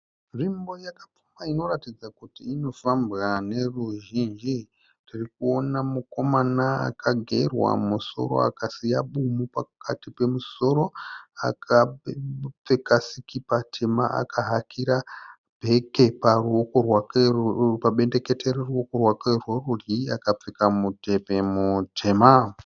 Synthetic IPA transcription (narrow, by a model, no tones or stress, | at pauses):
ʐimbo̞jakap͡fumaino̞ratid͡zakutiːno̞fambɣane̞ruʒind͡ʒi | ririkuo̞namuko̞manaa̰kʰaɡʱe̞rwa̰muso̞̰ɾo̞̰a̰kasijaɓumupakʰatipe̞muso̞ɾo̞a̰kʰa | p͡fekasikipatʰe̞maʔa̰kʰaɦakʰiɾa | bʱe̞ke̞paruokorwakepaɓe̞nde̞ke̞teɾeruokorwakerworuriakap͡fekamute̞pe̞mutʰema